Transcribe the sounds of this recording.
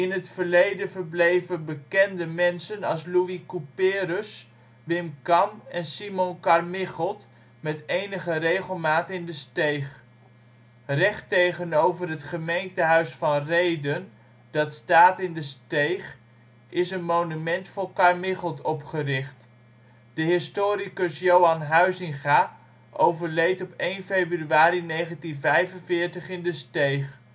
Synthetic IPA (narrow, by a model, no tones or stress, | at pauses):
ɪnɦətfəɹlejdənvəɹblejvənbəkɛndəmɛnsənɑlˠsluikupɪːɾəs | ʋɪmkɑmɛnsimɔnkɑrmɪχəlˠt | mɛtejnəχərejχəlˠmaːtəɪndəstejχ | rɛχtejχənowvərɦətχəmejntəɦœɥsfɑnrejdən | d̥ɑtstaːtɪndəstejχ | ʔɪsənmownymɛntfʊlˠkɑɹmɪχəlˠtɔpχərɪχt | d̥əɦɪstoːɾikəsjowɑnɦœɥzɪŋχaː | ʔowvəɹlejtɔpejnfejbryaːɾinejχəntinvɛjvənvɪːɹtəχɪndəstejχ